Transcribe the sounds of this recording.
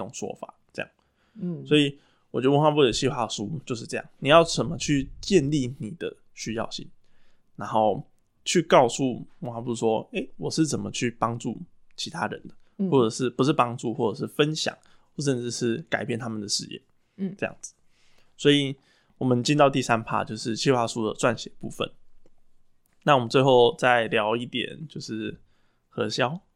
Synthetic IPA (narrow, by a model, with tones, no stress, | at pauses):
o˨˩ŋʂwɔ̰˥fa̰˨˩ʈ͡ʂɤ˥˧jɑ̰˥˩ŋ | swɔ˧˥i˨˩ | wɔ˨˩t͡ɕɥɛ˧˥də˧wo˥˩wa˥pu˥˩d̪ə˨˩ɕi˥˩xwa˥˩ʂu˥t͡ɕjo˥˧ʊʂ̬̩˥˧ʈ͡ʂɤ˥˧jɑ˥˩ŋni˨˩jɑ˥˩ʊt͡sə˨˩nmə˦t͡ɕʰy˥˧t͡ɕjɛ˥˧nli˥˩ni˨˩d̪ə̰˦ | ɕy˥jɑ̰˥˧ʊɕḭ˥˩ŋ | na˧˥nxo˥˩ʊ | t͡ɕʰy˥˧kɑ˥˧ʊsu˥˨wə˧˩xwa˥pu˥˩ʂwɔ˥e˥˩ɪwɔ˨˩ʂɻ̩˥˩t͡sə˨˩nmə˦t͡ɕʰy˥˩pɑ˥ŋʈ͡ʂu˥˩ | t͡ɕʰi˧˥t̪ʰa̰˦ɻə̰˧˦nd̪ə˨˩wɔ˥˩ʈ͡ʂɤ˨˩ʂɻ̩˥˩pu˧˥ʂ̬ɻ̩˥˩pɑ˥ŋʈ͡ʂu˥˧xwɔ˥˩ʈ͡ʂɤ˨˩ʂɻ̩˥˩fə˦nɕjɑ̰˨˩˦ŋ˥˩ | ʂ̬ə˥˧nʈ͡ʂɻ̩˥˧ʂɻ̩˥˩ka̰˨˩ɪpjɛ˥˩nt̪ʰa˥mə˨nd̪ə˩ʂɻ̩˥˧jɛ̰˥˩ | ʈ͡ʂɤ˥˧jɑ̰˥˩ŋd͡z̩˨˩ | swɔ˧˥i˨ | wɔ˨˩mə˦nt͡ɕi˥nt̪ɑ˥˧ʊt̪i˥˩sa˦npʰa̰˥˧t͡ɕjo˥˧ʊʂɻ̩˥˧t͡ɕʰi˥˧xwa˥˩ʂu˥d̪ə̰˨ʈ͡ʂwa˥˨˩nɕjɛ˨˩pṵ˥˩fə̰˨˦n | na˥˩wɔ˨˩mə˦nt͡swe˥˧ɪxo˥˧ʊt͡sa˥˩ɪljɑ˧˥ʊi˥˩t̪jɛ̰˨˩nt͡ɕjo˥˧ʊʂɻ̩˥˩ | xɤ˧˥ɕjɑ˥ʊ